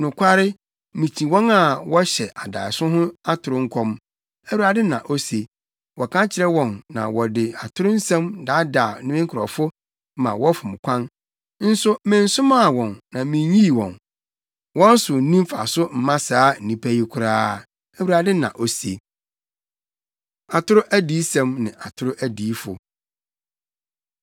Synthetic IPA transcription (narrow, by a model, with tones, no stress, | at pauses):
nʊ̃˨kʷʰa˦ɾɪ˦ | mĩ˨t͡ɕʰĩ˨wɔ̃˦na˦˨wɔ˦ɕɛ˨ʔa˨da̰ː˨ɪ˨sʊ̃˦ɦʊ̃˦a˦tʰʊ˨ɾʊ̃˦ŋ̩˦kʰɔ̃˦m | æ˦wu˨ɾa˨dɪ˦nã˨ʔo˦se˨ | wɔ˨kʰã˦t͡ɕʰɪ˨ɾɛ˦wɔ̃˨nːã̰˨wɔ˨dɪ˨a˨tʰʊ˦ɾʊ̃˦n̩˦sɛ̃˦mda˨˦da˨˦nʊ̃˦mɪ̃˦ŋ˦kʰʊ˨ɾɔ̰˨fʊ˦ | mã̰˨wɔ˦fʊ̃˨m˨kʷʰã˦n | n̩˦sʊ˦mɪ̃˨n̩˦sʊ̃˦ma˦˨wɔ̃˨nnã˨mɪ̃˨˦ɲi˦˨wɔ̰̃˨n | wɔ̃˦n˦sʊ˨n̩˦nĩ˦m˦fa̰˨sʊ˦m̩˨mã˦saː˦n̩˨nĩ˨pʰæ˦ji˦kʷʰʊ˦ɾaː˦ | æ˨wu˨ɾa˨dɪ˦nã̰˨ʔo˨se˨ | a˨tʰʊ˦ɾʊ˦ʔæ˦di˦sɛ̃˦mnɪ̃˨ʔa˨tʰʊ˦ɾʊ˦ʔæ˦diː˨˦fʊ̰˨